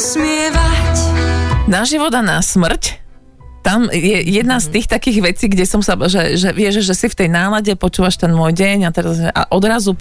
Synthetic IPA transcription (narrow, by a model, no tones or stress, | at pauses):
smɪɛʋac | naʒiʋɔd̪anasmr̩c | t̪amjɛjɛd̪nast̪iːxt̪akiːɣʋɛt͡siːɡɟɛsɔmsaʒɛʒɛʋɪɛʒʒɛsift̪ɛjnaːlaɟɛpɔt͡ʃuːʋaʃt̪ɛnmɔːjɟɛɲat̪ɛɾazɛʔa̰ʔɔd̪ɾazu